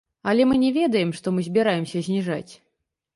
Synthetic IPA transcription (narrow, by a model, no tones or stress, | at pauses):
ɐlʲɛmɨnʲɛvʲɛd̪ɐjɛmʂt̪ɔmɨzʲbʲɛɾajɛmsʲɐzʲnʲiʐa̰t͡sʲ